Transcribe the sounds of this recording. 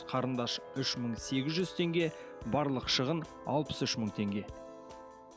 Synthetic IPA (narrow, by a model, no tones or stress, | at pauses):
qʰɑɾənd̪ɑʃʏʃməɴse̞ɡʲɪzʒʏz̥t̪ʰe̞ŋɡʲe̞ | bɑɾlˠəqʃəʁən | ɑ̰lˠpə̥sʏʃməɴt̪ʰe̞ŋɡʲe̞